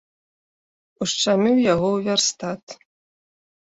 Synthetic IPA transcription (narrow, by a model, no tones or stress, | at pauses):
uʂʈ͡ʂamʲɨwjaɣɔwvʲarst̪at̪